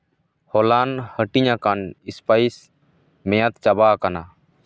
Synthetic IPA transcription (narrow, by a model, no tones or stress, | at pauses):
hɔlanhəʈiɲakanispajs | mɛjat̪t͡ʃabakana